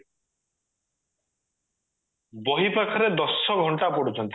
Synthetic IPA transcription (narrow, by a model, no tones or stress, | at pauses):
bɔɦipakʰɔɾed̪ɔsːɔɡʱɔɳʈapɔɽut͡ʃʰɔnt̪